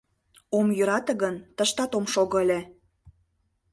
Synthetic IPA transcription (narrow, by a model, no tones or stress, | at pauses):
omjyɾɑt̪ə̆ɣənt̪əʃt̪ɑt̪omʃoɣə̆əlʲe